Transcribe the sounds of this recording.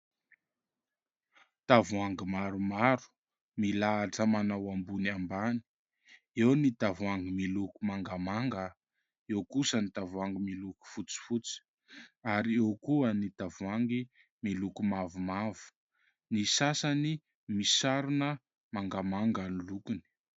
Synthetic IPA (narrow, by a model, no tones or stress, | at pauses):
t̪avuaŋɡimaɾumaɾu̥ | milat͡səmanawambunambani̥ | ewnit̪avwaŋɡimilukumaŋɡamaŋɡə | ewkusənit̪avwaŋɡimiluku̥fut͡si̥fut͡si̥ | aɾiewkuənit̪avuaŋɡi | milukumavumavu̥ | nisasani | misaɾunə | maŋɡamaŋɡanilukuni̥